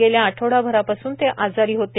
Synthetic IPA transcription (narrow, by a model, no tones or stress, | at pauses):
eljaːʈʰoɽabʱəɾapasuːnt̪eʔʔad͡zaɾiːɦot̪e